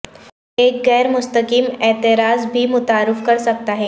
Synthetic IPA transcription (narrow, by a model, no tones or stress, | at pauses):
eːkɣɛːɾmʊst̪əkiːmɛːt̪ɪɾaːzbʱimʊt̪aːɾɪfkɐɾsɐk̚t̪aɦɛː